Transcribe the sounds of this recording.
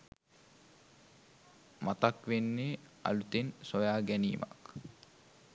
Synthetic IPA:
mat̪akʋenːea̰lut̪ensojaːɡænḭːʋa̰k

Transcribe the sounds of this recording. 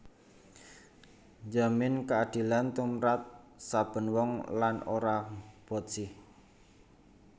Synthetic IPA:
ɲd͡ʒamɪnkaad̪̥i̤lant̪umɾat̪̚sab̥ə̤nwɔŋlano̰ɾab̥ɔ̤t̪̚sɪh

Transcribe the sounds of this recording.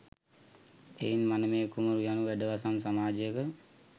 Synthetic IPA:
einmanəmeːkuməɾujanuʋæɖəʋasamsamaːd͡ʒəjəkə

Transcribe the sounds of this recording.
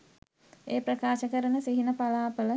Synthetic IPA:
eːpɾəkaːʃəkəɾənəsiɦinəpalaːpələ

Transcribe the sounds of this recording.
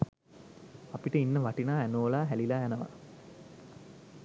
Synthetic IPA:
apiʈəinːəʋaʈinaːænoːlaːɦælilaænəʋa̰

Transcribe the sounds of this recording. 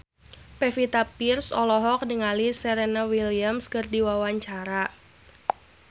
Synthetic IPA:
pɛfit̪apirsɔlɔɦɔk̚nəŋalisɛɾenawiliamskɨrdiwawaɲt͡ʃaɾa

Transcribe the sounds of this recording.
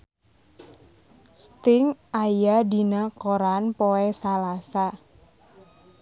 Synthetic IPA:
st̪ɪŋajadinakoɾanpoɛsalasa

